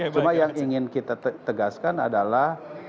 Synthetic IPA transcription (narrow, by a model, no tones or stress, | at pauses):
t͡ʃumajjaŋiŋɪnkit̪at̪əɡaskana̰dalah